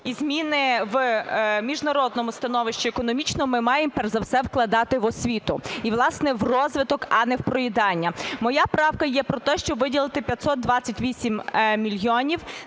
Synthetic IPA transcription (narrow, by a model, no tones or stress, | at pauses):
izmʲinɪʋmʲiʒnɐɾɔd̪̚nɔmʊst̪ɐnɔʋɪʃt͡ʃiekɔnɔmʲit͡ʃnɔmɪmɑjempɛrzɐwsɛwklˠɐd̪ɑt̪ɪʋɔsʲʋʲit̪ʊiʋlˠɑsnɛʋrɔzʋɪt̪ɔkɐnɛwpɾɔjɪd̪ɑnʲːɐmɔjapɾɑwkɐjɛpɾɔt̪ɛʃt͡ʃɔbʋɪdʲilˠɪt̪ɪpʲjɐt̪ʲsɔt̪̚d̪ʋɑt͡sʲːɐtʲʋʲisʲimmʲilʲjɔnʲiw